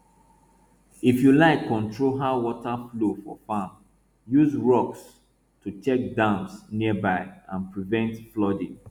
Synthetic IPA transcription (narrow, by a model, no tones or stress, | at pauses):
ifjulaɪkʰːɔ̃ntʰɹoɦawɔtaflofɔ̰fam | juzɹɔks | tʰut͡ʃɛk̚dãmsniəbaɪãnpɹivɛ̃ntflɔdĩ